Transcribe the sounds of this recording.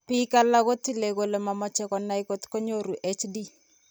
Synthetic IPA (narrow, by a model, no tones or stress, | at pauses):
pikalakotilekolemamɔt͡ʃɛkɔnːaikotkoɲoɾuʔet͡ʃdi